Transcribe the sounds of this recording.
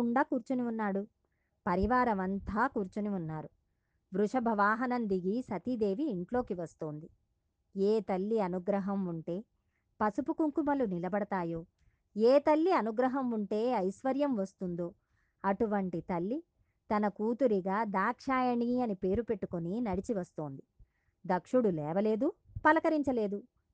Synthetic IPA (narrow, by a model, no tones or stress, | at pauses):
ɳɖaːkuːɾt͡ʃuniunːaːɽu | pɐɾiʋaːɾɐmɐnt̪ʰaːkuːɾt͡ʃuniunːaːɾu | ʋɾuʂɐbʱɐʋaːɦɐnɐnd̪iɡisɐt̪id̪e̞ːʋiːɳʈlo̞ːkiʋɐst̪oːnd̪i | eːt̪ɐlːiɐnuɡɾɐɦɐmuɳʈe̞ː | pɐsupukuŋkumɐlunilɐbɐɽɐt̪aːjo̞ː | eːt̪ɐlːiɐnuɡɾɐɦɐmuɳʈe̞ːɐjʃʋɐɾjɐmʋɐst̪und̪o̞ː | ɐʈuʋɐɳʈit̪ɐlːi | t̪ɐnɐkuːt̪uɾiɡaːd̪aːkʂaːjɐɳiɐnipe̞ːɾupe̞ʈːukoninɐɽit͡ʃiʋɐst̪o̞ːnd̪i | d̪ɐkʂuɽulɛːʋɐle̞ːd̪upɐlɐkɐɾiɲt͡ʃɐle̞ːd̪u